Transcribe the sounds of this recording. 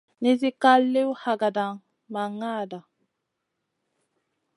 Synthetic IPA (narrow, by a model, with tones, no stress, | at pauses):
ni˦z̬i˦ka˦lːe˦wha˨ɡa˨da˨ŋ | ma˨ŋːaː˦˨da˨